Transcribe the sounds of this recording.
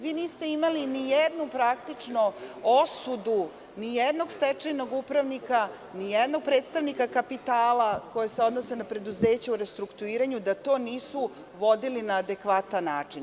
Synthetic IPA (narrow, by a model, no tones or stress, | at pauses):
ʋiːniːst̪e̞imalinijɛd̪nupɾakt̪it͡ʂnoosud̪u | nijed̪no̞ɡst̪et͡ʂajno̞ɡupɾaʋnika | nijed̪no̞ɡ̚pɾe̞ːt̪st̪aʋnikakapit̪aːlako̞jeseo̞d̪nosenapɾe̞d̪uze̞ːt͡ɕauɾe̞st̪ɾukt̪uiːɾaɲud̪at̪o̞ːniːsu | ʋod̪ilinaːd̪e̞kʋat̪anːaːt͡ʂin